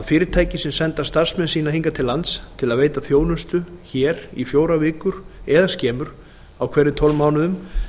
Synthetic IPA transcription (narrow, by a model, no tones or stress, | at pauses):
fɪːɾɪɾt̪ʰaːjcɪsɪmsɛnt̪ḁst̪ar̥smɛnsiːnaɦiŋkat̪ʰɪlːant̪st̪ʰɪlaðveːjt̪aθjoːwnʏst̪ʏçɛːɾifjoːwɾavɪːkʏɾ̥ɛðascɛːmʏɾ̥ | awkʰvɛːɾːɪt̪ʰɔlmaːwnʏðʏm